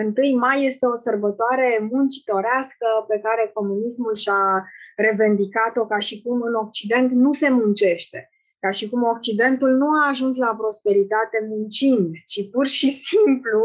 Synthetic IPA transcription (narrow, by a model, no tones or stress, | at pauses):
ɨnt̪ɨjmajːe̞st̪e̞o̞sərbət̪oaɾe̞munt͡ʃi̥t̪o̞ɾeaskəpe̞kaɾe̞ko̞munismulʃaɾe̞ve̞nd̪ikat̪o̞kaʃikumɨno̞k̚t͡ʃid̪e̞nt̪nuse̞munt͡ʃe̞ʃt̪e̞ | kaʃikumo̞k̚t͡ʃid̪e̞nt̪ulnuaːʒuns̬lapɾo̞spe̞ɾit̪at̪e̞munt͡ʃind̪t͡ʃipurʃisimplu